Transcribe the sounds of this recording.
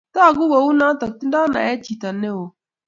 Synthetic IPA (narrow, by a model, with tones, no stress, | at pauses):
ta˦˨ɡu˦wo˨wu˦na˦ta˨k̚ti˦n˦da˦na̰˨e˦t͡ʃi˨ta˨˦ne˦wo˨